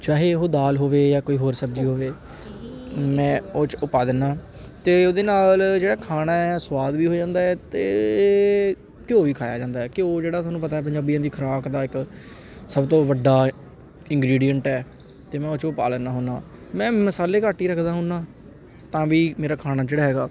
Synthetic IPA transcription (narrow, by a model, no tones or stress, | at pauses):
t͡ʃaːɦeːɦoːd̪aːlɦoːʋeːjaːkoːiːɦoːɾsəbd͡ʒiːɦoːʋeː | mɛ̃ːoːt͡ʃʊpaːd̪ənaː | t̪eːoːd̪eːnaːld͡ʒeːɽaːkʰaːnaːɛːswaːd̪ʋiːɦoːd͡ʒãːnd̪aːɛːt̪eː | kɪoːʋiːkʰaːjaːd͡ʒãːnd̪aːɦɛːkɪoːd͡ʒeːɽaːʊaːnũpət̪aɛːpəɲd͡ʒaːbijãːd̪iːkʰəɾaːkd̪aːɪk | səbt̪õːʋəɖːaː | ɪ̃ŋɡɾiːɖijəɳʈɛː | t̪eːmɛ̃ːoːt͡ʃʊpa̰ːlənaːɦoːnaːmɛ̃ːməsaːleːkaːʈːiːɾəkʰd̪aːɦʊːnaː | t̪ãːʋiːmeːɾaːkʰaːnaːd͡ʒeːɽaːɦɛːɡaː